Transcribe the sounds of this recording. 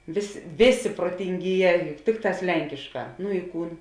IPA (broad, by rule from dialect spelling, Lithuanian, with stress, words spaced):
ˈʋʲeːsʲ ˈʋʲeːˌsʲeː proːtʲɪŋʲˈɡʲiːˌjɛː ˈtʲɪkˌtɑːs ˈlʲɛŋʲkʲɪʃˌkɑː nʊ ɪ ˈkuːn